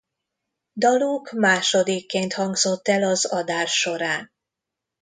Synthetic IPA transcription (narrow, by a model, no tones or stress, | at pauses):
d̪ɒluːkmaːʃo̞d̪ikːeːnt̪hɒŋɡzo̞t̪ːɛlɒzɒd̪aːʃːo̞ɾaːn